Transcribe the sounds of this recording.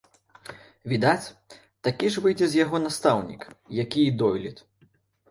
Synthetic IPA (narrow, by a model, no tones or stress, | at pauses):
vʲid̪at͡sʲ | t̪akʲiʐvɨjd͡zʲɛzʲjaɣɔnast̪awnʲḭkjakʲiid̪ɔjlʲit̪